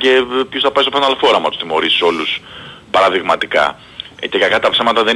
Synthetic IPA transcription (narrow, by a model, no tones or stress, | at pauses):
ce̞pçosθɐpɐjst̪ofɐnɐlfo̞ɾɐmɐt̪usθimo̞ɾisi̥so̞lus | pɐɾɐðiɣmɐt̪ikɐ̰ | cekɐkɐt̪ɐpsɐmɐt̪ɐðe